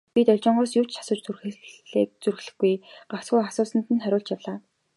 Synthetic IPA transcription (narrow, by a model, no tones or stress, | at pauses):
pit̪œɮʲt͡ɕɔ̆ːɴɢɔːsjʊw̥t͡ɕt͡ɕʰḁsʊ̆ːt͡ɕt͡surxɘ̆ɮḛːk̚t͡surɣɮɘ̆xɡːujɢ̥aw̥t͡sɡujasʊːsə̆n̥t̪ɘ̆nχæɾʲʊːɮt͡ɕjawɮaː